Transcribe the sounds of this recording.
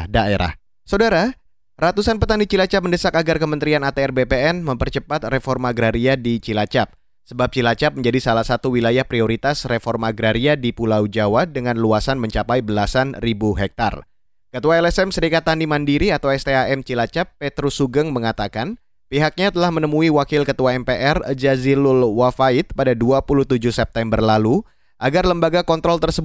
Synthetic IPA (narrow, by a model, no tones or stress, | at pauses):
daeɾa̰h | sawdaɾa | rat̪usanpət̪anit͡ʃilat͡ʃap̚məndəsakaɡarkəmənt̪ɾianat̪eɛrbepeɛnməmpərt͡ʃəpat̪̚refɔrmaɡɾaɾiadit͡ʃilat͡ʃap̚ | səbap̚t͡ʃilat͡ʃap̚məɲd͡ʒadisalahsat̪uwilajahpɾioɾit̪asrefɔrmaɡɾaɾiadipulawd͡ʒawadəŋanluasanməɲt͡ʃapajbəlasanribuɦɛk̚t̪a̰r | kət̪uaɛlɛsɛmsəɾikat̪ːanimandiɾiat̪awɛst̪eaʔɛmt͡ʃilat͡ʃapːet̪ɾusuɡəŋməŋat̪akan | piɦak̚ɲat̪əlahmənəmuiwakɪlkət̪uaɛmpeʔɛrd͡ʒazilʊlwafaɪt̪̚padaduapuluht̪ud͡ʒuhsɛp̚t̪ɛmbərlalu | ʔaɡarləmbaɡakɔnt̪ɾɔlt̪ərsəb